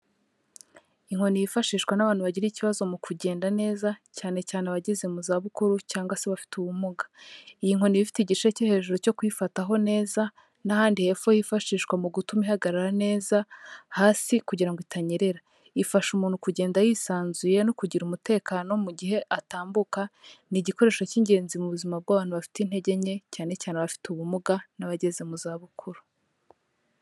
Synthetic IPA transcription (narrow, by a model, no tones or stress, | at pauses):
iŋho̞nijifaʃiːʃkwanaβaːnhuβaɟiɾiciβazo̞mukʰuɟe̞ːndane̞ːzacaːne̞caːneβaɟezemuzaβukuɾucaːŋɡwase̞βafi̥tuβumuɡḁijiŋho̞niβifi̥teɟit͡ʃecehe̞ːʒuɾo̞co̞kwifataɦo̞ne̞ːza | nahaːndihe̞fojifaʃiːʃkwamuɡutumiɦaɡaɾaɾane̞ːzahaːsikuɟiɾaŋɡoitʰaɲeɾe̞ɾa | ifaʃumuːn̥hukuɟe̞ːndajisaːnzuje̞nokuɟiɾumute̞ːkaːno̞muɟiɦe̞ʔataːmbukaniɟiko̞ɾe̞ːʃaciɲɟe̞ːnzimuβuzimab̚ɡaːβaːn̥huβafi̥tin̥he̞ɟe̞ɲe̞caːne̞caːne̞βafi̥tuβumuɡanaβaɟe̞ze̞muzaːβukʰuɾu̥